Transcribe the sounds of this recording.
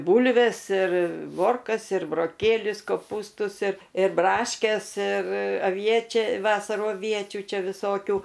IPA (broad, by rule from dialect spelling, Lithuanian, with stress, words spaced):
ˈbuːlʲʋʲeːs ɪr ˈmoːrkɐs ɪr broːˈkʲeːlʲʊs koːˈpuːstʊs ɪr ɪr ˈbrɑːʃʲkʲɛs ɪr ɐˈʋʲiɛt͡ʃʲɛ ˈʋɑːsɐruː ɐˈʋʲiɛt͡ʃʲuː ˈt͡ʃʲɛ ʋʲɪˈsoːkʲuː